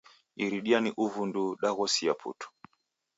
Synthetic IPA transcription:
iɾiɗianiʔuvunduɗaɣɔsiapʰṵtu̥

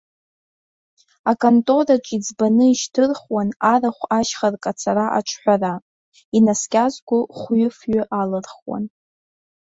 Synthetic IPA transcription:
akʼontʼo̞raʈ͡ʂʷʼid͡zbanɨiʃtʰɨrχwanaraχʷaʃχarkʼat͡sʰaɾaʔa̰ʈ͡ʂʷʰħʷara | inaskʲʼazɡʷʊχʷɥʏfɥʏʔalɨrχwa̰n

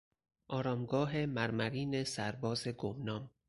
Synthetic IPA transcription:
ʔɒːɾɒːmɡɒːɦe̞mæɾmæɾiːnesæɾbɒːzeɡomnɒːm

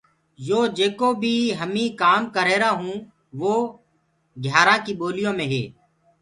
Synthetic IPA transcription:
joːd͡ʒeːkoːbʱiːɦəmĩːkaːmkəɾeːɾaːɦũː | ʋoː | ɡʱjaːɾãːkiːɓoːlɪjõːmẽːɦḛː

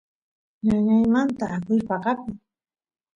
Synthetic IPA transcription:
ɲaɲajmant̪aːkʊɾpɑqɑkʊŋ

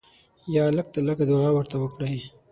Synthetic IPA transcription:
jɑlək̚t̪alaɡad̪ʊawəɾt̪awəkɽaj

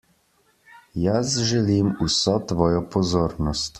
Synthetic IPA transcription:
jasʒɛlimusɔt̪ʋɔːjɔpɔzoːɾnɔst̪

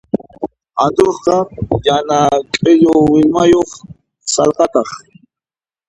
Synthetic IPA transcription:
and̪oɾqɑjanakʼɪʎowɪmajoχ | sɑlqɑt̪ɑχ

